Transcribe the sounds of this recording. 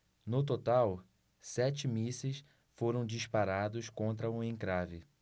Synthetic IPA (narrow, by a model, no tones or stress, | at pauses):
nʊt̪ot̪aw | sɛt͡ʃɪmisɪs | foɾɐ̃w̃d͡ʒiʃpaɾad̪ʊskõnt̪ɾɐũẽŋkɾavɪ